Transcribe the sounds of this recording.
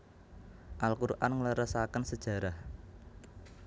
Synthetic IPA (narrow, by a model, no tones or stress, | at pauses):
ʔalkuɾʔa̰nŋləɾəsakənsəd̥ʒ̥ä̤ɾah